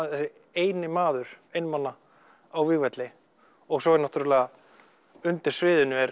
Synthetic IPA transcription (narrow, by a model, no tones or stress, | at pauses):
θɛsɪ | eːjnɪmaːðʏɾ̥ejnmanːa | awvɪɣvɛt̪lɪ | ɔɣsɔɛɾnaht̪uɾɪlɛːɣa | ʏnt̪ɪɾ̥svɪːðʏnːʏɛɾ